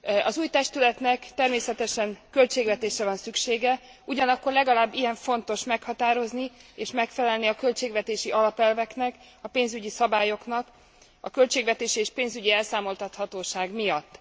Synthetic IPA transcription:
ɒzuːjt̪ɛʃt̪ylɛt̪nɛkt̪ɛrmeːsɛt̪ɛʃɛŋkø̞lt͡ʃeːɡvɛt̪eːʃrɛvɒnsykʃeːɡɛ | uɟɒnɒkːo̞rlɛɡɒlaːbːijɛɱfo̞nt̪o̞ʃmɛkhɒt̪aːɾo̞znieːʃmɛkfɛlɛlniɒkø̞lt͡ʃeːɡvɛt̪eːʃiʔɒlɒpɛlvɛknɛk | ɒpeːnzyɟisɒbaːjo̞knɒk | ɒkø̞lt͡ʃeːɡvɛt̪eːʃieːʃpeːnzyɟiɛlsaːmo̞lt̪ɒt̪hɒt̪oːʃaːɡmijɒt̪ː

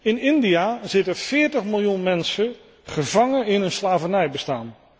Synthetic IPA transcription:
ɪnɪndiazɪtəfɪːɹtəχmɪlˠjunmɛnsə | χəvɑŋəɪnənslaːvənɛjbəstaːn

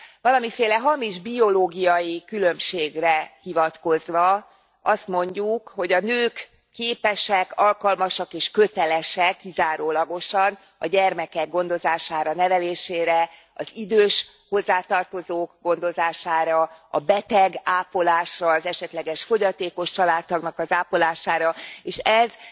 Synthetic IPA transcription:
vɒlɒmifeːlɛɦɒmiʒbio̞loːɡijɒjikylømʃeːɡrɛhivɒt̪ko̞zʋɒ | ɒst̪mo̞ɲɟukho̞ɟɒnøːkː | eːpɛʃɛkɒlkɒlmɒʃɒkeːʃkøt̪ɛlɛʃɛkːizaːɾoːlɒɡo̞ʃɒn | ɒ̰ɟɛrmɛkɛɡ̚ɡo̞nd̪o̞zaːʃaːɾɒnɛvɛleːʃeːɾɛ | ɒ̰zid̪øːʃ | ho̞zːaːt̪ɒrt̪o̞zoːkɡo̞nd̪o̞zaːʃaːɾɒɒ̰bɛt̪ɛɡaːpolaːʃrɒːzɛʃɛt̪lɛɡɛʃfo̞ɟɒt̪eːko̞ʃt͡ʃɒlaːt̪ːɒɡnɒkɒzaːpo̞laːʃaːɾɒeːʃɛz

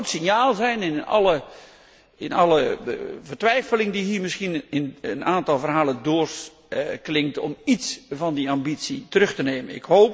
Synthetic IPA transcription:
tsɪnjaːlˠzɛjnɪnnɑ̰lə | ɪnɑləvərtʋɛjfəlɪŋdiɦiːmɪsxinɪnənaːntɑlˠvərɦaːləndʊːrs | klɪŋtɔ̰mitsvɑndiambitsitərɵxtəneːmənɪ̰khoːp

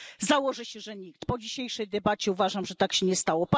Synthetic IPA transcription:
zawɔʐɘɕɛʐɛɲik̚t̪pɔd͡ʑiɕejʂɛjd̪ɛbat͡ɕɛuvaʐamʐɛt̪akɕɛɲɛst̪awɔp

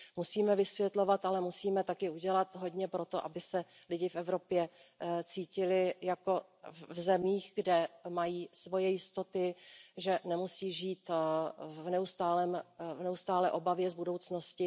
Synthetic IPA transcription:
musiːmɛvɪsvjɛt̪lo̞vat̪alɛmusiːmɛt̪akɪuɟɛlat̪ɦo̞d̪ɲɛpɾo̞t̪o̞ʔa̰bɪsɛ | lɪɟɪfʔɛvɾo̞pjɛt͡siːcɪlɪjako̞ | vzɛmiːxɡdɛmajiːsvo̞jɛjɪst̪ot̪ɪʒɛnɛmusiːʒiːt̪ | vnɛust̪aːlɛːmvnɛust̪aːlɛːʔo̞bavjɛzbudo̞wt͡sno̞scɪ

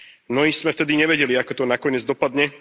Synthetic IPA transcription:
nɔismɛft̪ɛd̪iɲɛʋɛɟɛliakɔt̪ɔnakɔɲɪɛd͡zd̪ɔpad̪ɲɛ

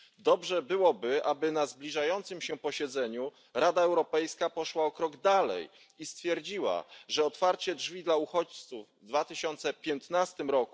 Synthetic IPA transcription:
d̪ɔbʐɛbɘwɔbɘabɘnazblʲiʐajɔnt̪sɘmɕɛpɔɕɛd̪zɛɲu | ɾad̪aɛwɾɔpɛjskapɔʂwaɔkɾɔɡd̪alɛ̰j | ist̪fʲjɛɾd͡ʑiwa̰ʐɛɔt̪faɾt͡ɕɛdʐvʲid̪lauxɔt͡ɕt̪suvːd̪vat̪ɘɕɔnt̪sɛpʲjɛnt̪nast̪ɘmɾɔku

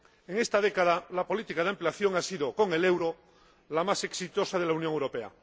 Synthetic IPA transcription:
eŋe̞st̪aðekaðalapo̞lit̪ikað̞ampleaθjo̞ŋasiðokoŋe̞lewɾo | lamase̞ksit̪o̞sað̞e̞launjõŋewɾo̞pea̰

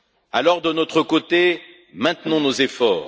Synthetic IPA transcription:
alɔʁd̪ənot̪χəkot̪e | mɛ̃t̪nɔ̃nozefɔːʁ

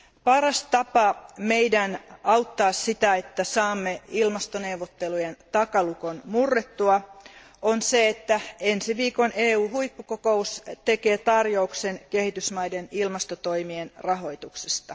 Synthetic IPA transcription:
pɑrɑst̪ɑpɑmeidænɑwt̪ːɑːssit̪æet̪ːæsɑːmːeilmɑst̪oneuʋːot̪ːelujent̪ɑkɑlukonmurːet̪ːuɑ | onseet̪ːæensiʋiːkoneːuːhuipːukokoust̪ekeːt̪ɑrjouksenkehit̪ysmɑjdenilmɑst̪ot̪o̞imienrɑɦo̞jt̪ukse̥st̪ɑ

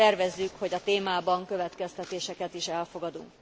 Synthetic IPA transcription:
ɛrvɛzːykho̞ɟɒt̪eːmaːbɒŋkøvɛt̪kɛst̪ɛt̪eːʃɛkɛt̪iʃɛlfo̞ɡɒd̪ṵŋk

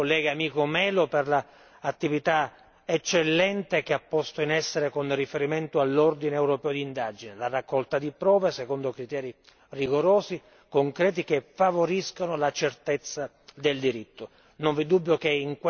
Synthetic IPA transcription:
olːɛːɡaːmiːkomɛːloperlaː | t̪ːivit̪a | et͡ʃːelːɛnt̪ekeapːɔst̪oinɛsːeɾekonrifeɾiment̪oalːord̪ineɛwɾopɛːod̪iːnd̪ad͡ʒinelarakːɔlt̪ad̪ipɾɔːvasekond̪okɾit̪ɛːɾi | riɡoɾoːzi | koŋkɾɛːt̪̬ikefːavoɾiskonolat͡ʃert̪et̪sːa | d̪eld̪iɾit̪ːo | noɱvid̪ubːjokeiŋkw

